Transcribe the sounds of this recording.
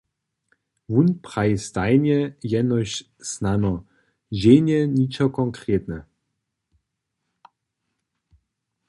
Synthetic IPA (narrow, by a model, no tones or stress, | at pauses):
vunpχajst̪ajnʲɛjɛnɔɕ | snanɔ | d͡ʑenʲɛɲit͡ʃɔkɔŋkɾet̪nɛ